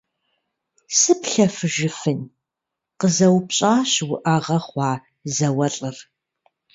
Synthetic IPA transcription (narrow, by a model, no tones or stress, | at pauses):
sɨpɬɐfɨʒɪfɨn | qəzɐwpɕʼaːɕwʊʔɐʁɐχʷɑː | zɐwɐɬʼɨr